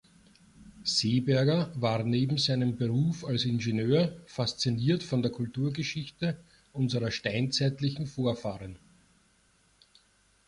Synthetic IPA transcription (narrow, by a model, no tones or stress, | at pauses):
z̥eːbɛɐɡɐvaːʁneːbm̩zæɪnəmbeʁuːfalsɪnʒenøːɐfast͡siniːɐtfɔndeːɐkʰʊltuːɐɡəʃɪçtə | ʔʊnzəʁɐʃtæɪnt͡sæɪtlɪçŋ̩foːɐfaːʁən